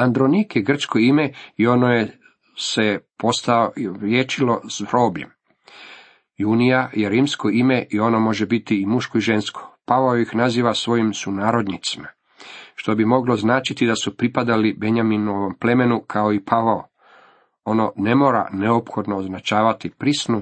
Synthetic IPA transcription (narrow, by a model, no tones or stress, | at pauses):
and̪ɾonikjeɡr̩t͡ʃkʰo̞imeio̞noje | se̞po̞st̪aoɾjeːt͡ʃilo̞zɾo̞ːbʎḛm | junijajeɾiːmsko̞ime̞ʔio̞nomo̞ʒebit̪iːmuʃkoiʒe̞nskʰo̥paʋaoixnaziːʋasʋo̞jimsunaːɾo̞d̪nit̪si̥ma | ʃt̪o̞bimo̞ɡlo̞znaːt͡ʃit̪id̪asupɾipad̪alibe̞ɲaminoʋomple̞me̞nukʰaoipʰaʋao | o̞no̞ne̞mo̞ːɾa̰ne̞opxo̞d̪noːznat͡ʃaːʋat̪ipɾisnu